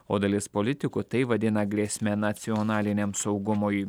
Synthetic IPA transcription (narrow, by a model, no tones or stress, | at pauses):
o̰ːd̪ɐlʲɪspolʲɪt̪ʲɪkʊt̪ɐɪʋɐd̪ʲɪnɐɡɾʲeːsʲmʲɛnɐt̪sʲɪɔnɑːlʲɪnʲemsɒʊɡʊmoːj